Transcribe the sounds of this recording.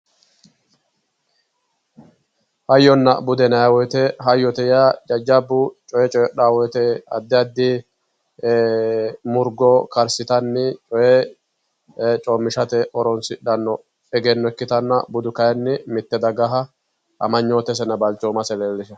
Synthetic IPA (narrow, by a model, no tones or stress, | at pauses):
hɐjːɔnːɐ̰bʊd̪ɛnɐjɐwɔjt̪ɛɦɐjːɔt̪ɛjad͡ʒɐd͡ʒːɐbːʊt͡ʃʼɔjɛt͡ʃʼɔɛɗaːwɔjt̪ɛɐ̰d̪ːɪɐd̪ːɪ | mʊɾɡɔkɐɾsɪt̪ɐnːɪt͡ʃʼɔjɛ | t͡ʃʼoːmːɪʃɐt̪ɛʔɔɾɔnsɪɗɐnːɔ | ɛɡɛnːɔɛkːɪt̪ɐnːɐ̰bʊd̪ʊkɐjɛnːɪmɪt̪ːɛd̪ɐɡɐɦɐ | ʔɐmɐɲːoːt̪ɛs̬ɛnːɐbɐlt͡ʃːoːmɐsɛleːlːɪʃɐ